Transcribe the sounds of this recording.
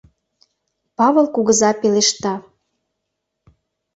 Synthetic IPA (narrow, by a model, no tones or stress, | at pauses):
pɑβə̆lˠkuɣə̆zɑpeleʃt̪ɑ